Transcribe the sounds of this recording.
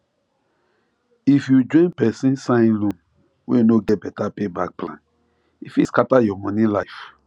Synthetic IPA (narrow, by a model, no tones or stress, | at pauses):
ifjud͡ʒɔ̃ɪ̃npɛsĩnsãĩnlũm | wḛnoɡɛt̚bɛtapebak̚plã̰n | ifiskatajɔmɔ̃nĩlaɪf